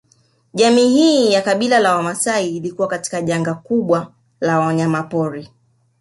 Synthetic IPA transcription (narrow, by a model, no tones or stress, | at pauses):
ʄamiːhiːjakaɓilalawamasaiːlikuwakati̥kaʄaŋɡakuɓwa | lawaɲamapɔɾi